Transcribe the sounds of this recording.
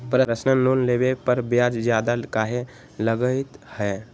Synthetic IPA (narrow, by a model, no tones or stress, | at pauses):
pɾəɾəsnəloːnlebepəɾbjaːd͡ʒd͡ʒjaːd̪akaːɦe | ləɡəɪt̪hɛː